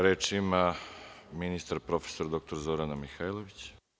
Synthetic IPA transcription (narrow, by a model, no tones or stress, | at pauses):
ɾeːt͡ʃima | minist̪aɾpɾo̞fesoɾad̪o̞k̚t̪o̞ɾzo̞ɾanamixajlˠoʋit͡ɕ